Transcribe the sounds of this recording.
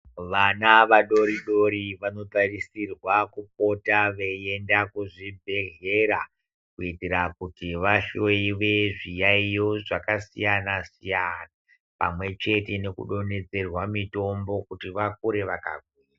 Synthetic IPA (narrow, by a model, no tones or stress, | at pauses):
ʋanaʋaɗo̞ɾiɗo̞ɾiʋano̞tarisirwakup̚o̞taʋe̞e̞ndakuʐibʱe̞ɣe̞ɾa | kuitiɾakutiʋaʃo̞iʋe̞ʐijaijo̞ʐakasijanasijana | pa̰mwe̞t͡ʃe̞te̞ne̞kṵɗo̞ne̞d͡ze̞rwamito̞mbo̞kutiʋak̚uɾe̞ʋaka̰ɡʱwiːra